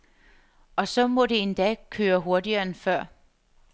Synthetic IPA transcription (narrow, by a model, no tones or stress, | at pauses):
ɒ̽sɒ̽mɔ̽ɾe̝end̥ɛ̰ːkʰøːɐɦo̝ɐdiɐːenfɶɐ̰